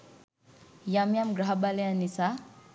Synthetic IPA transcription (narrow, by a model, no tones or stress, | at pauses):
jamjamɡɾaɦbaljanisa